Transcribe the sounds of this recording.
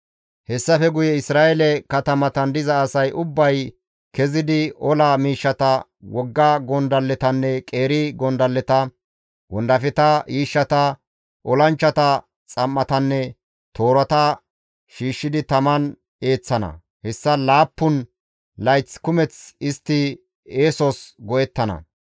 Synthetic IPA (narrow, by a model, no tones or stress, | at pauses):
hɛsːɐfɛɡʊjɛɪsɾaːɛlɛkɐt̪ɐmɐt̪ɐnd̪ɪzɐːsɐjʔʊbːɐj | kɛzɪd̪ɪɔlamiːʃːɐt̪ɐ | wɔɡːɐɡɔnd̪ɐlːɛt̪ɐnːɛkʼe̞ːɾɪɡɔnd̪ɐlːɛt̪ɐ | wɔnd̪ɐfɛt̪ɐiːʃːɐt̪ɐ | ʔɔlɐnt͡ʃːɐt̪ɐ | t͡sʼɐmːɐt̪ɐnːɛ | t̪ʰo̞ːɾɐt̪ɐ | ʃiːʃːɪd̪ɪt̪ɐmɐn | e̞ːt͡sːɐnɐ̰ | hɛsːɐlaːpːʊn | lɐjt͡skʊmɛt͡sɪst̪ːɪ | eːsɔsɡɔjɛt̪ːɐnɐ̰